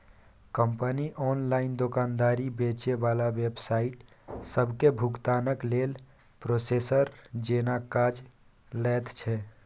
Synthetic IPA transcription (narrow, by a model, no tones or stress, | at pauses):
kəmpəniʔɔnlaɪind̪okand̪aɾibet͡ʃebalaʋebsaiʈ | səbʱkebʱuɡt̪anəklel | pɾosesəɾd͡ʒenakad͡ʒ | lɛt̪t͡ʃʰɛ